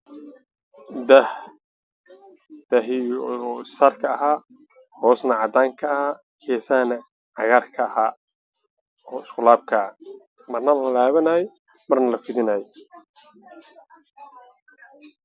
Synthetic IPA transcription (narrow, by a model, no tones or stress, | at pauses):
d̪ɐh | d̪̥ɐɦɪ | saːrkʰɐɐɦaː | hɔːsnɐʕɑd̪aːŋkʰɐhaː | kʰɛːsaːnɐ | ʕɑɣaːrkʰɐːhaː | ɔːɪskʰʊlaːb̚kʰɐ | mɐrnɐlɐlaːβɐnaːj | mɐrnɐlɐfɪðɪnaːjɔ